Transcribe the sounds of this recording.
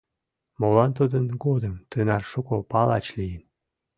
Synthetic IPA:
molɑnt̪ud̪ənɡod̪əmt̪ɨnɑrʃukopɑlˠɑ̰t͡ɕlijən

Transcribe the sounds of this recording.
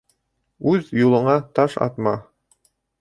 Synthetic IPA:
ʉðjulˠɤ̆ɴɑt̪ɑʃɑ̰t̪mɑ

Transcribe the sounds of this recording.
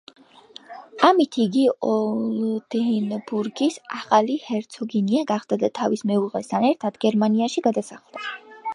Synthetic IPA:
amit̪ʰiːɡiɔld̪̥ɛnbuɾɡisaχalihɛɾt̪sʰɔɡiniaɡaχd̪̥ad̪at̪ʰavismɛuʁɛst̪ʰanɛɾt̪ʰad̪̥ɡɛɾmaniaʃiɡad̪asaχlˠd̪̥a

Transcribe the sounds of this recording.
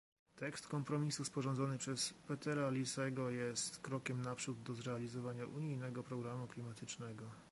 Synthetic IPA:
t̪ɛkst̪kɔmpɾɔmʲisuspɔʐɔ̃nd̪zɔnɘpʂɛspɛt̪ɛɾalʲisɛɡɔjɛst̪kɾɔkʲɛmnapʂud̪d̪ɔzɾɛalʲizɔvaɲaʔuɲijnɛɡɔpɾɔɡɾamuklʲimat̪ɘt͡ʂnɛɡɔ

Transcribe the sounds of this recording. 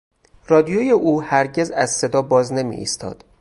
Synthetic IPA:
rɒːd̪ijojeʔuːhæɾɟe̞zæzse̞d̪ɒːbɒːzne̞mḭʔḭːst̪ʰɒ̰ːd̪̥

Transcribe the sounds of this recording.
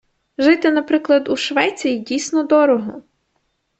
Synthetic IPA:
ʒɪt̪ɪnɐpɾɪklˠɐd̪uʃʋɛt͡sʲijidʲijsʲnɔd̪ɔɾɔɦɔ

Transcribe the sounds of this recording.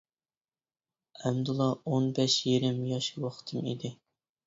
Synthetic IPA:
æmd̪ulˠɑonbɛʃjeɾɪmjɑʃwɑχt̪ʰɨmḭd̪ɪ

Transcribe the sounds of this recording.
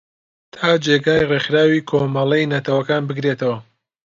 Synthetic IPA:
t̪ʰaːd͡ʒeːɡaːjrexɾaːwiːkʰomɐlˠɛjnɐt̪ʰɐwɐkaːnbɨɡɾet̪ʰɐwɐ

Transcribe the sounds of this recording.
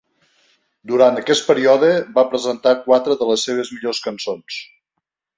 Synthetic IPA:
d̪uɾant̪əkɛst̪̚pəɾiɔðəbapɾəzənt̪akwat̪ɾəðələsːeβ̞əzmiʎoskənsons

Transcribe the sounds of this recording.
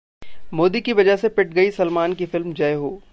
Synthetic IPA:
moːd̪ikiʋɐd͡ʒəɦsepɪʈ̚ɡɐisɐlmaːnkifɪlmd͡ʒɐeɦo̰ː

